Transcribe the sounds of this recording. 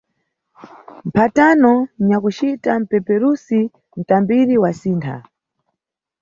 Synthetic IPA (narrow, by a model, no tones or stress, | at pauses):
m̩pʰatanɔɲakut͡ʃitam̩pɛpɛɾusi | n̩tambiɾiwasiːntʰa̰